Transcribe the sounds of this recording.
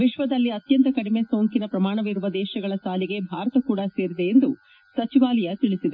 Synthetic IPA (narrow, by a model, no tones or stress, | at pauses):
ʋiʃʋɐd̪ɐlːiɐt̪jɐnt̪ɐkɐɽime̞soːŋkinɐpɾɐmaːɳɐʋiɾuʋɐd̪ɛːʃɐɡɐɭɐʃaːliɡe̞bʱaːɾɐt̪ɐkuːɽɐse̞ːɾid̪e̞ːnd̪u | sɐt͡ʃiʋaːlɛjɐt̪iɭisid̪e